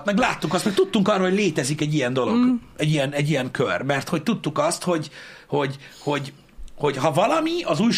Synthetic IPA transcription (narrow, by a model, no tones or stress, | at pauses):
t̪mɛɡlaːt̪ːukɒst̪mɛk̚t̪ut̪ːuŋkɒrɒho̞ɟleːt̪ɛzikɛɟːijɛnd̪o̞lo̞̰ɡ | ɛɟijɛnɛɟːijɛŋkʰørmɛrt̪ho̞c̚t̪ut̪ːukɒst̪ho̞ɟ | ho̞ɟho̞ɟ | ho̞ɟɦɒvɒlɒmiɒzuːjʃ